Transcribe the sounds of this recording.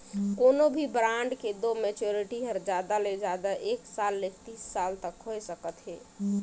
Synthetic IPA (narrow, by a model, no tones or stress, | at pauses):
koːnobʱibɾãɳɖked̪omɛt͡ʃoɾiʈiɦəɾd͡ʒaːd̪aled͡ʒad̪aʔeːksaːlːek̚t̪iːsːalt̪əkɦojsəkət̪ɦɛː